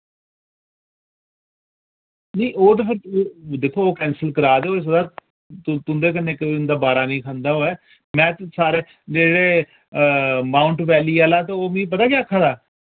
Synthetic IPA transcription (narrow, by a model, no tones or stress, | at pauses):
nə̃ːʔoːt̪əpʰɪɾd̪eːkʰːoːoːkɛ̃ːnsəlkəɾaːd̪eoːeːs̬əd̪aː | t̪ʊnd̪eːk̬ənːẽːkəiːʊnd̪aːbaːɾaːnĩːkʰãːnd̪aːɦoːɛː | mɛ̃ːt̪saːɾeː | d͡ʒeɽeː | maːʊɳʈʋɛːliːaːlaːt̪eoːmĩːp̬ət̪aːkaːəkʰːaːd̪aː